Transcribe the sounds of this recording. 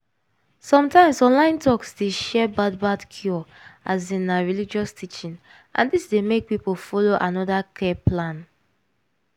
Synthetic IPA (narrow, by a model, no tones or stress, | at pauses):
sɔ̃mtãɪ̃msɔ̃nlãɪ̃ntɔksdeʃɛbadbadkʰjɔ | azĩnaɹilid͡ʒɔstʰit͡ʃĩn | ʔã̰ndisdemek̚pipolfɔloʔanɔdakʰɛplãn